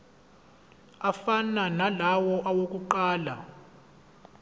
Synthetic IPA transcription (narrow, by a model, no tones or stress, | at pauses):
afananalawɔʔawok̬ʼuǃaːla̰